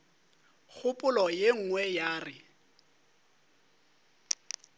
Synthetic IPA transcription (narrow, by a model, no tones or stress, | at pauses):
k͡xʰʊpʼʊlɔjeŋ̩ŋwɛjaːrɪ